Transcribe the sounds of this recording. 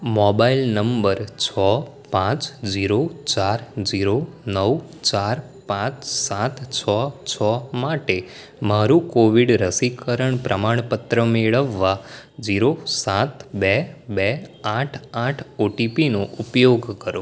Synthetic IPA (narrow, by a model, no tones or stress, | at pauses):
mɔbailnəmbəɾt͡ʃʰɔ | pãt͡ʃd͡ʒiɾot͡ʃaɾd͡ʒiɾonəw | t͡ʃaɾ | pãt͡ʃsat̪ʰt͡ʃʰɔt͡ʃʰɔmaʈe | maɾũkoʋiɖɾəsikəɾəɳpɾʔəmaɳ̃pət̪ɾəmeɭəʋːa | d͡ʒiɾosat̪bɛbɛãʈʰãʈʰoʈipinoʔupjoɡkəɾo